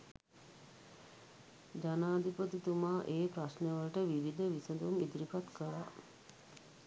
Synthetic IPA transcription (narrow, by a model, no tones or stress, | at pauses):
d͡ʒanaːd̪ipət̪it̪umaːʔeːpɾasnəʋəlʈəʋiʋid̪əʋisəd̪uŋid̪iɾipat̪kəla